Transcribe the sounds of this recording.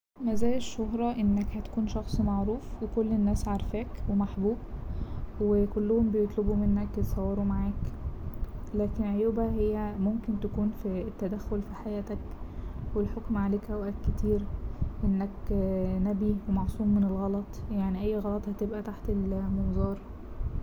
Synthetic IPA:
mæzæːleʃːoɦɾˤɑʔenːækhæt̪æ̥kuːnʃɑxsˤmɑʕɾuːfwekolːenːæːsʕɑɾˤfæːkwemaħbuːb | wekolːohombejet̪ˤlobumenːæket̪sˤɑwːɑɾumaʕaːk | læːkenʕojuːbæhejːæmomkent̪ækuːnfit̪ːæd̪æxːolfiħajæːt̪ækwelħokmʕaleːkʔæwʔætkːet̪iːɾʔenːæknæbiwemɑʕsˤuːmːenelɣɑlɑt̪ˤjaʕniʔæjːɣɑlɑt̪ˤhæt̪ebʔæt̪aħt̪elmomzˤɑːɾˤ

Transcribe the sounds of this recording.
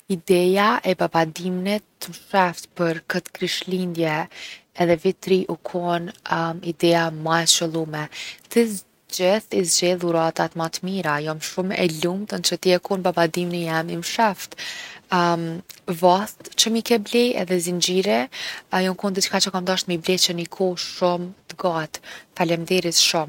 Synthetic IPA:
id̪ɛjaʔɛbabad̪imnɛt̪ːmʃɛft̪pəɾkət̪kɾiʃlind̪jɛː | ðɛvit̪ɾiʔukʰɔnid̪ɛamajʃəlˠumɛt̪əz | d͡ʒɛθizd͡ʑɛlˠuɾat̪at̪mat̪miɾajɔmʃumɛ̰lumt̪ənt͡ʃət̪iɛkɔnbabad̪imnijamimʃaft̪ | mvast̪t͡ʃəmikɛblɛjɛ̰ðɛzind͡ʑiɾɛjɔmkund̪it͡ʃkat͡ʃəkamd̪aʃt̪miblɛt͡ʃənikʰɔʃumt̪əɡat̪falɛmd̪ɛɾisʃum

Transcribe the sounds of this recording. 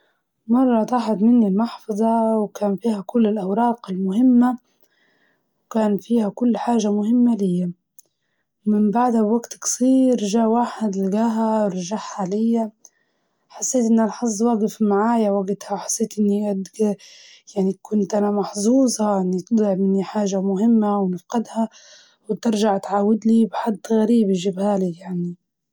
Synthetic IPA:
mɑrˤːɑt̪aːħad̪mɪnːilmɑħfɑðˤɑwkaːnfiːhækʊlːɪlʔawɾˤɑːqɪlmʊɦɪmːa | wkaːnfiːhækʊlːħaːʒamʊhɪmːalɪjːa | mɪmbaʕd̪habwaɡt̪ksˤiːɾʒaːʕwaːħɪd̪lɪɡaːɦaɾˤɑʒaħːalɪjːa | ħasːeːt̪ʔɪnːʔalħɑzˤːwaːɡɪfmaʕaːjawaɡt̪hawħḁsːeːt̪ʔɪnːiad̪ɡ | jaʕnikʊnt̪ʔanamɑħzˤuːzˤɑʔɪnːit̪d̪ˤlɪʕmɪnːiħaːʒamʊɦɪmːawnɪfqɪd̪ha | wɪt̪ɪɾʒaʕt̪ʕaːwɪd̪libħad̪ːɣaɾiːbiʒɪbhaːlijaʕni

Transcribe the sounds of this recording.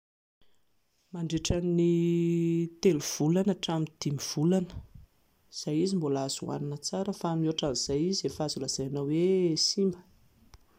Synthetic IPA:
maɳɖ͡ʐeʈ͡ʂani | t̪eluv̥ulanaʈ͡ʂamind̪̥imiv̥ulanə̥ | z̥ajizimbolaz̥ṵa̰ninət͡saɾəfaaminoʈ͡ʂaniz̥ajiziefazulaz̥ajanawwesimbə̥

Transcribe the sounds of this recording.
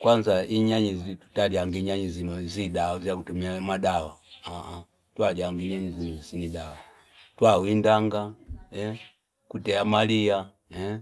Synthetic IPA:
kwanzaiɲaɲizitu̥taliaŋɡiɲaɲizinɔziɗaɔzjakutumiamaɗawaaʔa | twaliaŋɡiɲaɲizinɔzinidawa | twawindaŋɡaɛ | kutɛamalia | ɛ

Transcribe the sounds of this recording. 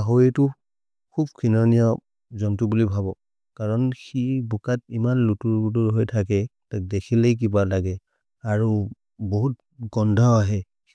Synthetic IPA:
aɦoɹitʊ | kʰubkʰinɔnijɔ | zɔntubulibʱabɔ | kaɹɔnxibukat̚imanlutuɹbutuɹɦojtʰak̬ɛtak̚dekʰilejk̬ibalaɡɛ | aɹu | boɦut̚ | ɡɔndʱɔaɦɛ

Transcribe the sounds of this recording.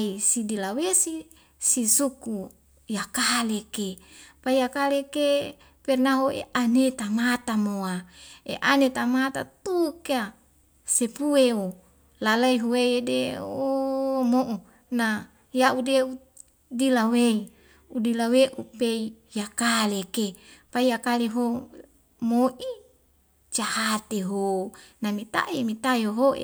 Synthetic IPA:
isidilawesi | sisuku | jakalekepaijakaleke | pɛrnaɦoḛʔanet̪amat̪amoaḛʔanet̪amat̪a̰t̪ukea | sepueo | lalaiɦuwejedeomoʔu | na | jaʔudeu | dilawei | udilaweʔupei | jakalekepaijakaleɦo | moʔi | t͡ʃahat̪eɦonamit̪a̰ʔimit̪ajoɦoḛ

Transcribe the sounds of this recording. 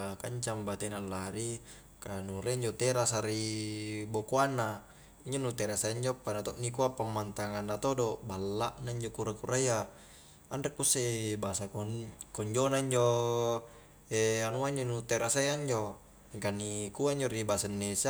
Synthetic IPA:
kaɲt͡ʃambat̪enalːaɾi | kanuɾeiɲd͡ʒot̪eɾasaɾibokoanːa | iɲd͡ʒonut̪eɾasajaɲd͡ʒopːanat̪oʔnikuapːamːant̪aŋanːat̪odobalːaʔnaiɲd͡ʒokuɾakuɾʔaja | andekːusebasakokoɲd͡ʒonaiɲd͡ʒo | eanuaiɲd͡ʒonut̪eɾasajaɲd͡ʒo | iŋkanːikuaiɲd͡ʒoɾibasanːesa

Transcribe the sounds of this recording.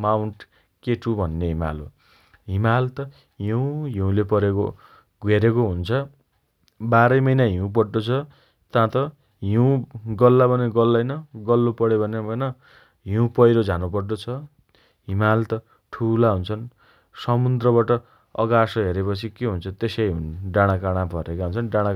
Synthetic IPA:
mawɳʈ | keʈʰubʱʌnːeɦima̰lo̰ | ɦimalt̪ʌ | ɦiw̃ɦiũlepʌɾeko̰ | ɡweɾekoɦunt͡sʰʌ | baɾʌjmʌjnaɦiũp̬ʌrʈot͡sʰʌ | t̪ãt̪ʌ | ɦiw̃ɡʌlːabʌneɡʌlːajnʌɡʌlːopʌɽebʱʌnebʱʌnʌ | ɦiũpʌjɾod͡zʱanupʌrʈot͡sʰʌ | ɦimalt̪ʌ | ʈʰulaɦunt͡sʰʌn | sʌmund̪rʌβaʈʌ | ʌ̰ɡasʌɦeɾepʌt͡sʰikeɦunt͡sʰʌt̪esʌjɦunɖaɽ̃akaɽ̃abʱʌɾekaɦunt͡sʰʌnɖãɽ̃a

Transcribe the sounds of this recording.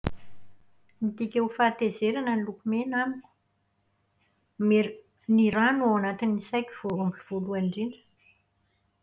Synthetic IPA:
mit̪ikʲewfaːt̪ezeɾanənilukumenamini̥ | me | niɾanuawanat̪inːisajkʲivombiv̥oluaɳɖ͡ʐiɳɖ͡ʐə̥

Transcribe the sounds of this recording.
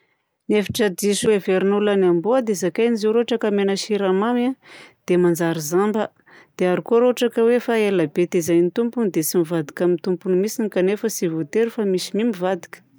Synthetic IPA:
nefi̥ʈ͡ʂədiʃuweveɾinulanambuəd̪ezakajnizeɾoʈ͡ʂakamenəʃiɾamamad̪̥emand͡zaɾizambə | d̪̥eaɾikuɾoʈ͡ʂakəwefaelabet̪izajnit̪umpunid̪esimivad̪ikamint̪umpunimisinikanefəsivot̪eɾifamisimimivad̪i̥kə̥

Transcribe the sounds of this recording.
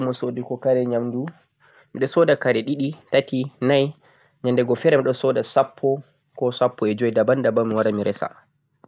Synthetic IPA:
mɔsodikɔkaɾɛɲamdu | miɗɔsɔdakaɾɛɗiɗitatinaj | ɲandɛɡɔfɛɾɛmiɗɔsɔdasapʰːɔ | kɔsapːɔɛd͡ʒoidabandabamiwaɾamiɾɛsa̰

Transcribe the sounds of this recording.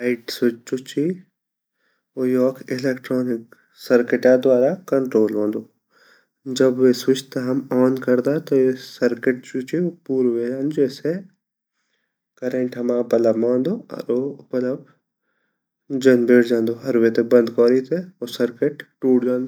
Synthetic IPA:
aɪʈsʊt͡ʃt͡ʃʊt͡ʃi | ojɔːkɪleːkʈɾɔːnɪk | sɐɾkɪʈad̪waːɾakɐɳʈɾoːlɦõːnd̪oː | d͡ʒɐbʋesʊt͡ʃt̪aɦɐmɔːnkɐɾd̪at̪ojesɐɾkɪʈ̚t͡ʃut͡ʃiopuːɾʋed͡ʒãːnd͡ʒeːse | kɐɾẽɳʈɦɐmãːpɐləbmãːnd̪oːɔ̰ɾobɐləb | d͡ʒɐnbeːɽd͡ʒãːnd̪oːɦɐɾʋet̪ebɐ̃nd̪kɔːɾit̪eosɐɾkeʈʈuːɽd͡ʒãːnd̪o

